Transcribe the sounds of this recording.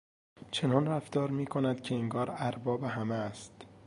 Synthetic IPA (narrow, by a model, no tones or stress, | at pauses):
t͡ʃʰe̞nɒːnɾæft̪ɒːɾmiːkʰonæd̪̥cʰe̞iŋɡɒːɾæɾbɒːbeɦæmest̪